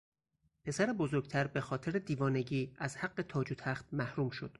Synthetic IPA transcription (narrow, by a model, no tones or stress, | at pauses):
pʰe̞sæɾebo̞zo̞ɾɡt̪ʰæɾbe̞xɒːt̪ʰeɾed̪iːvɒːne̞ɟiːæzhæɡːe̞t̪ʰɒːd͡ʒut̪ʰæxt̪̚mæhɾuːmʃo̞d̪̥